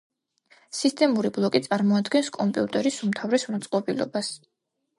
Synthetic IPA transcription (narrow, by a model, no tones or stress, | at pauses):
sist̪ʼɛmuɾiblˠɔkʼit̪sʼaɾmɔad̪ɡɛnskʼɔmpʼiut̪ʼɛɾisumt̪ʰavɾɛsmat̪sʼqʼɔbilɔ̰bas